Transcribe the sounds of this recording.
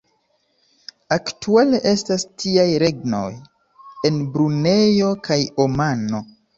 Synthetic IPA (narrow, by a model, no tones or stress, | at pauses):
aktuale̞ʔe̞stastʰiajɾe̞ɡno̞̰j | e̞nbɾune̞jo̞kʰajomano̞